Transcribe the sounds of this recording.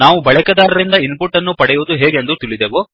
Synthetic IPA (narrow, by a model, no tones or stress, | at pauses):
naːʋubɐɭɛkɐd̪aːɾɐɾind̪ɐinpuʈːɐnːupɐɽɛjuʋːd̪uɦeːɡend̪ut̪iɭid̪eːʋo